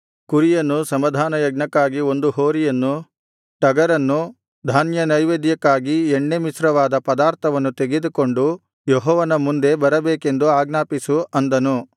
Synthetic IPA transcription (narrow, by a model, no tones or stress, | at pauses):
kuɾijɐnːusɐmɐd̪ʱaːnɐjɐɡnɐkːaːɡio̞nd̪uɦoːɾijɐnːu | ʈɐɡɐɾɐnːu | d̪ʱaːnjɐnɐjʋeːd̪jɐkːaːɡiɛɳːemisɾɐʋaːd̪ɐpɐd̪aːɾt̪ʰɐʋɐnːut̪eɡed̪uko̞ɳɖu | jɔɦɔːʋɐnɐmund̪e̞bɐɾɐbeːke̞nd̪uaːɡnaːpisuʔɐnd̪ɐnu